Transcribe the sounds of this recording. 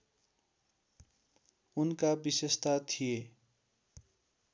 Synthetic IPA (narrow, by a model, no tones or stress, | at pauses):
unkabisest̪at̪ʰije